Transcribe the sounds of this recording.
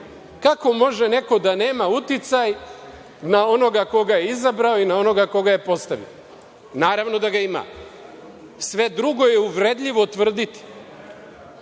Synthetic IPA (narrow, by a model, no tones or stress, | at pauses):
kako̞mo̞ʒene̞ko̞d̪ane̞ːmaut̪it̪saj | nao̞no̞ɡako̞ɡajeizabɾao̞inao̞no̞ɡako̞ɡaje̞po̞st̪aʋḭo | naːɾaʋno̞d̪aɡaima̰ː | sʋe̞d̪ɾuɡo̞jeuʋɾe̞d̪ʎʲiʋo̞t̪ʋr̩d̪it̪i̥